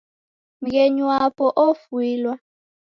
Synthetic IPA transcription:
ŋɡ̬ɛɲwapʼɔʔofwiːlwa

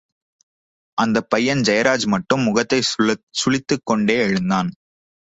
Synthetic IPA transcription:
ʔɐnd̪ɐpːɐjːɐnd͡ʒɐjɐɾaːd͡ʒmɐʈːɯmːʊɣɐt̪ːɐɪsʊɭɪt̪ːɯkːɔɳɖeːɛɻɯnd̪aːn

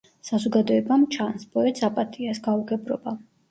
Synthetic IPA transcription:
sazɔɡad̪ɔɛbamt͡ʃʰanspʼɔɛt̪sapʼat̪ʼiasɡauɡɛbɾɔ̰ba

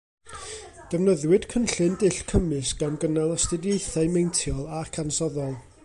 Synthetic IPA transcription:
d̥ɛvnəðwɨd̥kʰənɬɨndɪɬkʰəmɨsɡ̥anɡənalˠəstɨdjejθaɨmejntʰjɔlˠakʰansɔðɔlˠ

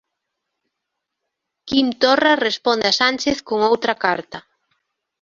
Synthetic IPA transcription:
kimt̪orarespond̪easant͡ʃeθkoŋowt̪ɾɐkaɾt̪ɐ

